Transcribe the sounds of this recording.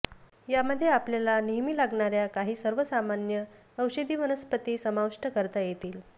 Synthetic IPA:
jaməd̪ʱːjeapljalaniɦmiːlaɡɳaɾjakaɦiːsəɾʋəsamanjə | əwɕəd̪ʱiːʋənəspət̪iːsəmaʋʂʈəkəɾt̪ajet̪iːl

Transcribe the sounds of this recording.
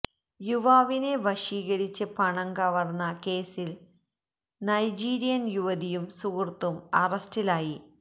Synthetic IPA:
juʋaːʋine̞ʋɐʂiːɣɐɾit͡ɕːɐpɐɳɐŋkɐʋɐrnːɐke̞ːsil | nɐjd͡ʑiːɾijɐnjuʋɐd̪ijumsuɣrt̪umɐrɐstilaːji

